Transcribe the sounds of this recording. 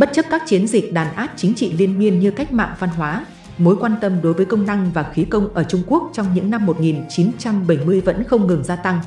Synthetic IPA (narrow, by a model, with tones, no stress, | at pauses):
ɓə˦˥t̚t͡ɕə˦˥p̚kaː˦˥k̚t͡ɕi˨˦ənzï˨˩k̚ɗaː˨˩nʔaː˦˥p̚t͡ɕï˨˦ŋ̟t͡ɕḭ˧˨li˧ənmi˧ənɲɨ˧ka˦˥jk̟̚ma̰ː˧˨ŋva˧nɦwaː˨˦ | mo˨˦jkwaː˧nt̪ə˧mɗo˨˦jvəː˨˦jkə˧wŋ͡mna˧ŋvaː˨˩xi˨˦kə˧wŋ͡mʔəː˧˩t͡ɕʊ˧ŋ͡mku˦˥ək̚t͡ɕɔ˧wŋ͡mɲɨ̰˧˥ŋna˧mːo˨˩t̚ŋi˨˩nt͡ɕi˨˦nt͡ɕa˧mɓə˧˩jmɨ˧əjvə̰˧˥nxə˧wŋ͡mŋɨ˨˩ŋzaː˧t̪a˧ŋ